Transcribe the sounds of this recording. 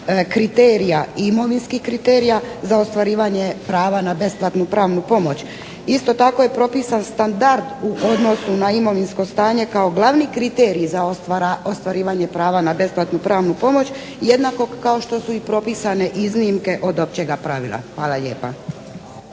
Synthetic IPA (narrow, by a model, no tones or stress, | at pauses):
kɾit̪eːɾijaimo̞ʋinskihkɾit̪eːɾijazao̞st̪ʋaɾiːʋaɲe̞pɾaːʋanabe̞splˠat̪nupɾaːʋnupo̞mo̞t͡ɕ | ist̪o̞t̪ako̞je̞pɾo̞piːsanst̪and̪aɾd̪uʔo̞d̪no̞sunaimo̞ʋinsko̞st̪aːɲe̞kao̞ɡlˠaʋnikɾit̪eːɾizaost̪ʋaɾiːʋaɲe̞pɾaːʋanabe̞splˠat̪nupɾaːʋnupo̞mo̞t͡ɕ | je̞d̪nako̞kao̞ʃt̪o̞suipɾo̞pisane̞ʔiznimke̞ʔo̞d̪o̞pt͡ɕe̞ɡapɾaʋḭlˠa̰xʋaːlˠaʎe̞ːpa̰